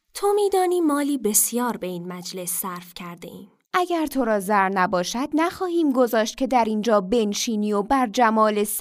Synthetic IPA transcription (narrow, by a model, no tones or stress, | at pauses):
t̪ʰomiːd̪ɒːniːmɒːliːbe̞sjɒːɾbe̞iːnmæd͡ʒle̞sːæɾfcʰæɾd̪e̞̰ʔiːm | ʔæɟæɾt̪ʰo̞ɾɒːzæɾnæbɒːʃæd̪̥̚næxɒːhiːmɡo̞zɒːʃt̪̚cʲʰe̞d̪æɾiːnd͡ʒɒːbe̞nʃiːniːobæɾd͡ʒæmɒːle̞s